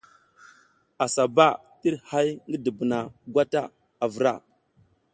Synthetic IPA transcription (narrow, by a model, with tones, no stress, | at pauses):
a˨sa˨ba˦˨ | ti˦ɾha˦jŋɡə˦də˨bna˨ɡʷa˦ta˦ | a˨və˨ɾa˦˨